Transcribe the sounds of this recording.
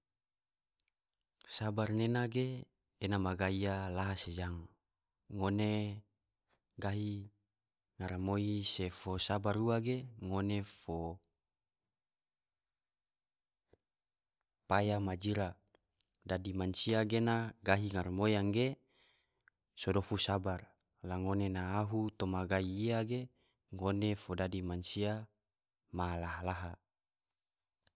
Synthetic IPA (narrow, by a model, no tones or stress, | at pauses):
sabarnenaɡeː | namaɡaialaɦased͡ʒaŋː | one | ɡaɦi | ŋaɾamoisefosabaɾuaɡeŋonefo | pajamad͡ʒiɾa | dadimansiaɡenaɡaɦiŋarmojaŋɡe | sodofusabar | laŋonenaːɦut̪omaɡaiːaɡe | ŋonefodadimansia | malaɦalaɦa